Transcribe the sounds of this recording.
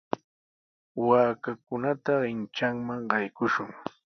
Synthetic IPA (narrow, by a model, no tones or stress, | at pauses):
waːkakʊnat̪aɢɪnt͡ʃaŋmaŋɢɑjkʊʃʊŋ